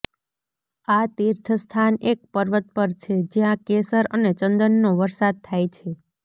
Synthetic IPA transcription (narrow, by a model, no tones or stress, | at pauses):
at̪iɾt̪ʰəst̪ʰanek̚pəɾʋət̪̚pəɾt͡ʃʰed͡ʒjãkesəɾənet͡ʃənd̪ənːoʋəɾsad̪̚t̪ʰːajt͡ʃʰe